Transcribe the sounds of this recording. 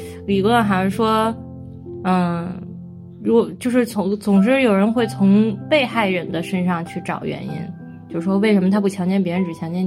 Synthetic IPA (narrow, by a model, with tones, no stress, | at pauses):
li˨˩kxa˧˥ɪʂɻ̩˥˩ʂwɔ˥ | ə˥˧ | ɻu˥kt͡ɕjo˥˧ʊʂ̬ɻ̩˥˩t͡sʰʊ˧˥ŋt͡sʊ˨˩ŋʂ̬ɻ̩˥˩jo˨˩ʊɻə˧˥nxwe˥˩ɪt͡sʰʊ˧˥ŋpe˥˧ɪxa˥˩ɪɻə˧˥nd̪ə˧ʂə˥nʂɑ˥˧ŋt͡ɕʰy˥˩ʈ͡ʂɑ˨˩ʊɥɛ̰˧˥nḭ˥n | t͡ɕjo˥˧ʊʂ̩˥˩ʂwɔ˥we˥˩ɪʂə˧˥mə˧t̪ʰa˥p̬u˥˩t͡ɕʰjɑ˧˥ŋt͡ɕjɛ˥˩np̬jɻə˧˥nʈ͡ʂɻ̩˨˩t͡ɕʰjɑ˧˥ŋt͡ɕjɛ˥˩n